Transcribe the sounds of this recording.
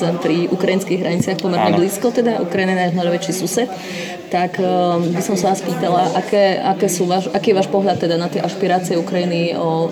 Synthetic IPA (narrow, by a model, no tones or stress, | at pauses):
apɾiʔukɾajinskiɣɦɾaɲit͡sɪaxpɔmɛɾɲɛbliːskɔt̪ɛd̪aʔukɾajiniɛnaʒnalʋɛt͡ʃisusɛt̪ː | akbisɔmsaʋaːspiːt̪alaʔakɛːakɛːsuːʋaːʃʔakiːjɛʋaːʃpɔɦʎat̪ːɛd̪anat̪jɛʔaʃpiɾaːt͡siɛukɾajiniɔ